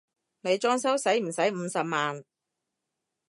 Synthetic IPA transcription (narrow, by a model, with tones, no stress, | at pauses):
ne˨˧jt͡ʃɔː˥ŋsɐ˥wsɐ˨˥jm̩˨˩sɐ˨˥jm̩˨˧sɐ˨p̚maː˨n